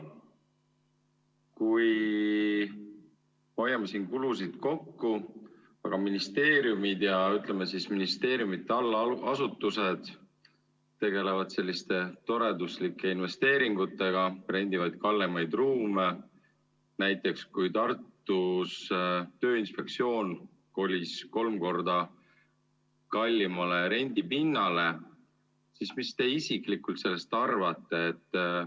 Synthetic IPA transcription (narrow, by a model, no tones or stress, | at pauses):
kuj | mojːɑmesiːnkulusid̪̥ko̞kːu | ɑɡ̥ɑminist̪e̞ːɾjumid̪̥jɑyt̪ˑlemesisminist̪e̞ːɾjumit̪ːeɑlːɑɑsut̪ːuse̞d̪̥ | t̪ːe̞ɡe̞le̞vɑd̪̥se̞lʲːist̪e̞t̪o̞ɾe̞d̪uslikːˑe̞inve̞st̪e̞ːɾiŋɡut̪ːˑe̞ɡ̥ɑre̞nʲd̪̥ivɑjd̪̥̚kɑlːemɑjd̪ruːme | næjt̪ːˑe̞kskujt̪ɑrt̪ːust̪ø̞ːinspe̞k̚t̪sio̞ːn | ko̞lʲisko̞lmko̞rd̪ɑ | kɑlʲːimɑleɾe̞nʲd̪ipinːɑle̞ | sismist̪e̞isikˑlikult̪se̞lːe̞st̪ɑrvɑt̪ːˑe̞ːt̪ːˑ